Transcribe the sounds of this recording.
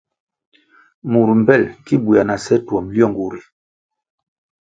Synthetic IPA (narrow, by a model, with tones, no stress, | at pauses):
mu˨ɾm̩˨bɛ˦˨lki˦bu˨a˨na˨sɛ˦twɔ˨mljɔ˦˨ŋɡu˨ɾi˨